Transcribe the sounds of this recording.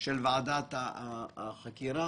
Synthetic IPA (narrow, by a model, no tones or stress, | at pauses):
ʃelvaʕad̪at̪a | xakiɾa